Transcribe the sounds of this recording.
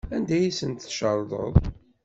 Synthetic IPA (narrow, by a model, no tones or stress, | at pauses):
ænd̪æjisənt̪θʃəɾˤd̪ˤə̰ðˤ